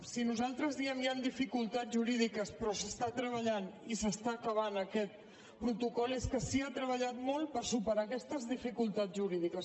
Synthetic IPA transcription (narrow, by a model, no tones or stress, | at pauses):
sinuzalˠt̪ɾəzðiɛmjand̪ifikulˠt̪ad͡zʒuɾið̞ikəspɾɔsəst̪at̪ɾəβəʎanisəst̪aːkəβ̞anəkɛt̪̚ | pɾut̪ukɔlˠeskəsiat̪ɾəβəʎat̪mɔlˠpəɾsupəɾaːkɛst̪əzðifikulˠt̪ad͡zʒuɾiðikəs